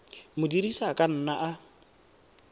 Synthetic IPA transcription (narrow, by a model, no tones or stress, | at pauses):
mʊdiɾisakʼan̩ːnaʔa